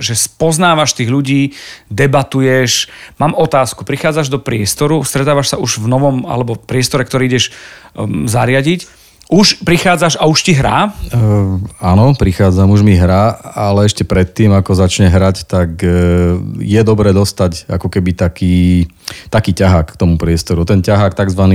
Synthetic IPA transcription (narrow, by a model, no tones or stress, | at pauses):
ʒɛspɔznaːʋaʃt̪iːɣʎuɟiːd̪ɛbat̪ujɛʃmaːmɔt̪aːskupɾixaːd͡zaʒd̪ɔpɾɪɛst̪ɔɾust̪ɾɛt̪aːʋaʃsauʒvnɔʋɔma̰lɛbɔpɾɪɛst̪ɔɾɛkt̪ɔɾiːiɟɛʃ | zaɾɪaɟic | uʃpɾixaːd͡zaʃauʃciɦɾa̰ː | anɔpɾixaːd͡zamuʒmiɦɾaːalɛɛʃcɛpɾɛt̪ːiːmakɔzat͡ʃɲɛɦɾact̪ak | jɛd̪ɔbɾɛːd̪ɔst̪aca̰kɔkɛbit̪akiː | t̪akiːcaɦaːkkt̪ɔmupɾɪɛst̪ɔɾut̪ɛncaɦaːk̚t̪aɡzʋaniː